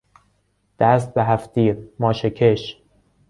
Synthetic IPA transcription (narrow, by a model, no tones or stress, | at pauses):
d̪̥æst̪̚beɦæft̪iːɾmɒːʃekʰeʃ